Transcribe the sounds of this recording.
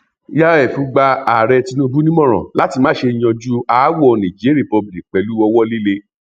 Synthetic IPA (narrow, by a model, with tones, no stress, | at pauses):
ja˦ɛ˦˨fu˧˦ɡ͡ba˧a˨ɾɛ˧ti˦˧nũ˦bu˦nĩ˦mɔ̃˦˨ɾ̃ɔ̰̃˨la˨˦ti˧mãː˦ʃe˧i˧j̃ɔ̃˧d͡ʒu˦a˨˦wɔ˦˨nã˨d͡ʒe˨˦ɾi˦˨pɔ˧bli˨k̚k͡pɛ˨˦lu˦ɔ˧wɔ˦li˦le˧